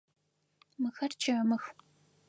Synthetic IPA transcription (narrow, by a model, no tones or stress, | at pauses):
mɨxɐrt͡ʃʰɐmɨx